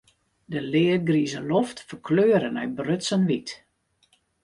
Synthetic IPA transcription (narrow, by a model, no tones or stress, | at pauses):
dəlɪət̚ɡrizəloftfərkʰløːɾənœɥbrøtsənʋit